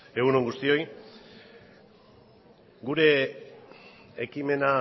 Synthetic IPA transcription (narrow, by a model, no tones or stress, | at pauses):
e̞ɣunoŋɡust̪io̞j | ɡuɾe̞ | ekime̞na